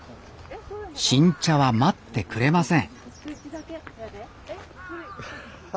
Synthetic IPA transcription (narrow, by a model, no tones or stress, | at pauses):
ɕĩɲ̟t͡ɕaβamat̪ːe̞kɯ̟ɾe̞masẽ̞ŋ